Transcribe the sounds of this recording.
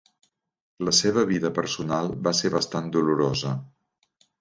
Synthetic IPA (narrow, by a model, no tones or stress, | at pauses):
ləseβ̞əβiðəpəɾsunalˠbaseβəst̪and̪uluɾozə